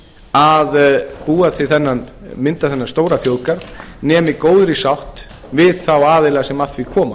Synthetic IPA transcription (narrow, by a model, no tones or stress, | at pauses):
aðpuːaθvɪθɛnːanmɪnt̪aθɛnḁst̪oːwɾaθjowðkaɾt̪nɛːmɪkoːwðɾɪsawht̪ | vɪðθawaːðɪlɛːɣasɛmaθvikʰɔːma̰